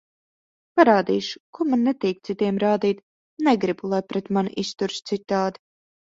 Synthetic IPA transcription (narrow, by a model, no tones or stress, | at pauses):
paɾaːd̪ḭːʃʊ̥kumanːɛt̪iːk̚t̪sit̪iɛmɾaːd̪iːt̪ʲ | nɛɡɾibulˠajpɾɛt̪manʔist̪uɾʃt̪sit̪ːaːd̪i̥